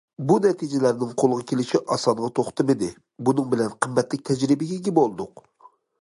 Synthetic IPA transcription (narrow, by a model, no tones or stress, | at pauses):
bunɛt̪ʰid͡ʒɪlæɾnɪŋqʰolˠəʁɑkʲʰelɪʃiʔɑsɑnʁɑt̪ʰoχt̪ɨmɪd̪ɪ | bunɨŋbɪlɛnqʰəmːɛt̪lɪk̚ʲt̪ʰɛd͡ʒɾɪbɪɡʲɛɡʲɛbolˠd̪ʊq